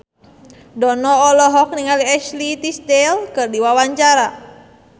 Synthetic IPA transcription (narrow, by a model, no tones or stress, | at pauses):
dɔnɔːlɔɦɔk̚niŋaliɛʃlit̪ist̪elkɨrdiwawaɲt͡ʃaɾa